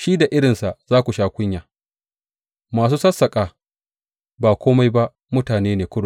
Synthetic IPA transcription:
ʃi˦da˨ʔɪ˦ɽɪ˨nsa˨ʔzaː˦kʷu˨ʃaː˦kʷʊ˦ɲjaː˨ | maː˨s̬uː˦sɐ˦sːɐ˨kʼaː˨ | baː˨kʷoː˦ma˦jba˦ʔ | mʊ˦taː˨neː˦neː˨kʷʊ˦ɽʊ˨

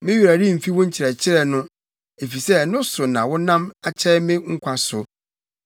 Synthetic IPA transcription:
mɪ̃˦jɾa˨ɾi˦˨m̩˨fi˦wʊ̃˦ɲ̩˦t͡ɕʰɪ˨ɾɛ˨t͡ɕʰɪ˦ɾɛ˨nʊ̃˦ | e˨fi˨sɛ˦nʊ̃˦sʊ˨nã˨wʊ˦nã˦ma˨t͡ɕʰɛ˦mɪ̃˦ŋ̩˦kʷʰa˦sʊ˨

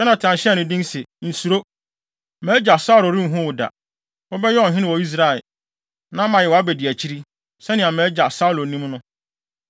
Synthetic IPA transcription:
ɛ˦nã˨tʰã˨n˨ɕɛ˦nʊ̃˨dĩ˦nsɛ˨n̩˨su˨ɾo˦ | mɛ˨˦d͡ʑa˨sa˦˨ɾo˨ɾĩ˦m̩˦ɦũ˦wʊ˨da̰˨ | wɔ˦bɛ˦jɛ˦ɔ˦˨ɦɪ̃˦nɪ̃˦wɔ˨i˦s̬ɾa˨ɛ˨ | nã˦mã˨jɛ˨wa˦be˨di˨æ˨t͡ɕʰi˦ɾi˦ | sɛ˦nɪ̃˨ã˨mɛ˨˦d͡ʑa˨sa˦ʊ˦lo˨nĩ˦mnʊ̃˦

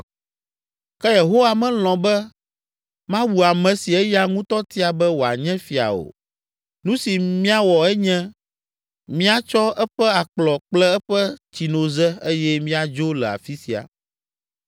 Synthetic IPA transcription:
kɛ˦je˨ɦo˦wa˦mɛ̃˦l̃ɔ̃˨bɛ˦ | mã˦wu˨a˨mɛ̃˨si˨ɛ˦ja˦ŋũ˦t̪ɔ˦t̪i˦a˨bɛ˦wo˨a̰˨ɲɛ̃˦fi˨a̰˨o̰˨ | nũ˦si˨mĩ˦a˦wɔ˨ɛ˦ɲɛ̃˦ | mĩ˦a˦t͡ʃɔ˦ɛ˦ɸɛ˦a˨k͡plɔ˨k͡plɛ˦ɛ˦ɸɛ˦t͡ɕi˨nõ˨zɛ˦e˦jɛ˦mĩ˦a˨d͡ʒo˦lɛ˨a̰˨fi˦si˨a̰˨

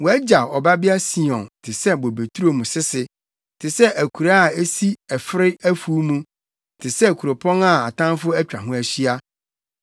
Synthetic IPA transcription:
wɔ˨æ˦d͡ʑa˨ɔ˨ba˦bɪ˦a˦si˦ɔ̃˨ntʰɪ˨sɛ˦bo˨be˨tʰu˦ɾo˦mũ˨sɪ˦sɪ˨ | tʰɪ˨sɛ˦ʔæ˨kʰu˨ɾa˦a˨e˦si˦ɛ˨fɪ˦ɾɪ˦æ˦fuː˦mũ˦ | tʰɪ˨sɛ˦˨kʰu˨ɾo˨pʰɔ̃˦na˦˨a̰˨tʰã˦n˦fʊ˦æ˦t͡ɕᶣa˨ɦʊ̃˦æ˨ɕi˦a˦

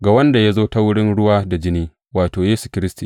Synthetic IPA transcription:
ɡa˨wɐ˦nda˨ja˦zoː˦ta˦wʊ˦ɽɪ˦nɽʊ˦waː˦da˨d͡ʒɪ˦niː˦ | waː˨toː˨jeː˦su˨kʲɪ˦ɾɪ˦stiː˨

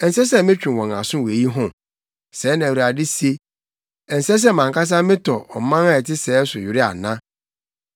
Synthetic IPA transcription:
ɛ˨n˨sɛ˦s̬ɛ˦mɪ̃˦t͡ɕᶣĩ˨wɔ̃˨a̰˨sʊ̃˦we˨ji˦ɦʊ̃˨ | sɛː˨˦nã˨wu˨a˨dɪ˦se˦ | ɛ˨n̩˨sɛ˦s̬ɛ˦˨mã˨ŋka˦s̬a˦mɪ̃˦tʰɔ˨ɔ̰˨˦mã˦a˦ɛ˨tɪ˦sɛː˨˦sʊ˨jɪ˨ɾɪ˦a̰˨nã˦

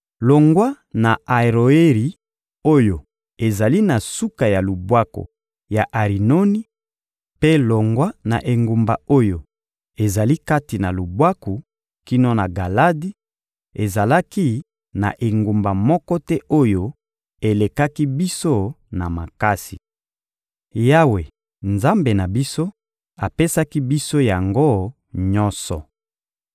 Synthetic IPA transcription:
lo˨ŋɡwa˦ | na˨a˨ʁo˨e˦ʁi˨ | o˦jo˨ | e˨za˨li˦na˨su˦ka˨ja˨lu˨bwa˦ko̰˨ | ja˨ʔa˨ʁi˨no˦ni˦ | pe˦lo˨ŋɡwa˦na̰˨ʔe˨ŋɡu˨mba˨o˦jo˨ | e˨za˨li˦ka˦ti˨na˨lu˨bwa˦ku˨ | ki˦no˦na˨ɡa˨la˦di˦ | e˨za˨la˦ki˦ | na̰˨ʔe˨ŋɡu˨mba˨mɔ˦kɔ˦tɛ˦ʔo˦jo˦ | e˨le˨ka˦ki˦bi˦so˦ | na˨ma˨ka˦sḭ˨ | ja˦we˨ | nza˦mbe˨na˨bi˦so˦ | a˨pe˦sa˦ki˦bi˦so˦ja˨ŋɡo˦ | ɲɔ˦nsɔ̰˨

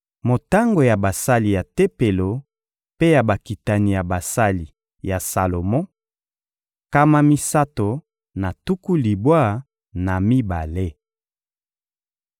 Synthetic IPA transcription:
mo˨ta˦ŋɡo˨ja˨ba˨sa˦li˨ja˨te˦pe˨lo˨ | pe˦ja˨ba˨ki˨ta˨ni˨ja˨ba˨sa˦li˨ | ja˨sa˨lo˨mɔ̃˦ | ka˦ma˦mi˦sa˦to˨ | na˨tu˦ku˦li˨bwa˦˨ | na˨mi˦ba˨le˦

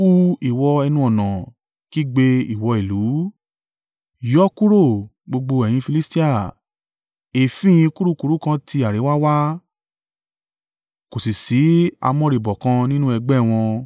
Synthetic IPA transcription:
u˧i˨wɔ˧ɛ˧nũ˧˦ɔ˨nã˨ | ki˦˨ɡ͡be˧i˨wɔ˧i˨lu˨˦ | jɔ˦ku˦ɾo˦˨ | ɡ͡bo˧ɡ͡bo˧ɛ˨j̃ĩ˧fi˧li˦sti˦a˦˨ | e˨fĩ˦ĩ˧ku˦ɾu˦ku˨˧ɾu˦kã˧ti˧a˨ɾe˨˦wa˦wa˦ | ko˨si˨si˨˦a̰˧mɔ̃˧ɾi˨bɔ˨kã˧nĩ˦nũ˦ɛ˧ɡ͡bɛ˦˨w̃ɔ̃˧

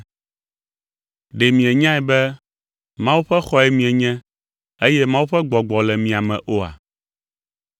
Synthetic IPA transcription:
ɖe˨mĩ˨ɛ˨ɲã˦ɛ˨bɛ˦ | mã˦wu˦ɸɛ˦xɔ˦ɛ˦mĩ˨ɛ˨ɲɛ̃˦ | e˦jɛ˦mã˦wu˦ɸɛ˦ɡ͡bɔ˨ɡ͡bɔ˨lɛ˨mĩ˨a˨mɛ̰̃˨ʔo˦a̰˨

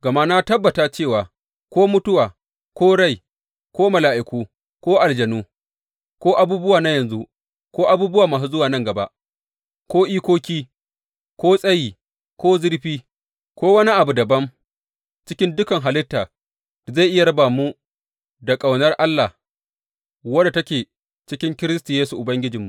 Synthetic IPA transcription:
ɡɐ˨ma˦na˦tɐ˦bːɐ˨taː˨t͡ʃeː˦˨waː˨ | kʷoː˦mʊ˦tʊ˦waː˨ | kʷoː˦ɽa˦˨j | kʷoː˦mɐ˨laː˨ʔɪ˨kʷuː˦ | kʷoː˦ʔa˨ld͡ʒɐ˨nuː˦ | kʷoː˦ʔa˨buː˦bʊ˦waː˨na˦jɐ˨nzu˦ | kʷoː˦ʔa˦buː˦bʊ˦waː˨maː˨s̬u˦zʊ˦waː˨nɐ˦ŋɡɐ˨ba˦ʔ | kʷoː˦ʔiː˦kʷoː˦kʲiː˦ | kʷoː˦sʼɐ˦jiː˨ | kʷoː˦zɪ˦ɽɸiː˦ | kʷoː˦wɐ˦ni˦ʔa˨bu˨dɐ˨bɐ˦m | t͡ʃɪ˦kʲɪ˦ndʊ˦kɐ˨ŋɦa˨lɪ˦tːaː˨ | za˦˨jʔɪ˦ja˨ɾɐ˦baː˨mu˦ | da˨kʼa˨wnɐ˦rʔa˦lːa˨ | wɐ˦da˨tɐ˦kʲeː˨ | t͡ʃɪ˦kʲɪ˦ŋkʲɪ˦ɾɪ˦stu˨jeː˦su˨ʔʊ˨bɐ˦ŋɡʲɪ˦d͡ʒɪ˨mːu˨ʔ

